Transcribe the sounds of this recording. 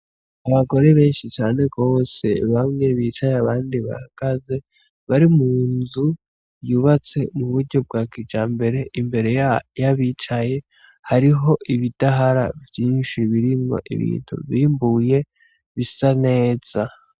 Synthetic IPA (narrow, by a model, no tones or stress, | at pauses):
aβaɡo̞ɾe̞βe̞ːnʃit͡ʃaːne̞ɡo̞ːse̞̰βamŋe̞βit͡ʃajaβaːndiβa̰haɡ̥aze̞ | βaɾimuːnzu | juːβat͡se̞muβuɾɟo̞b̚ɡaːkid͡ʒaːmbe̞ɾe̞ʔimbe̞ɾe̞jaβit͡ʃaje̞ | haɾiɦo̞ʔiβid̥aɦaɾa̰vjiːnʃiβiɾimŋo̞̰ʔḭβḭːn̥ṵβiːmbuje̞ | βisane̞ːz̥a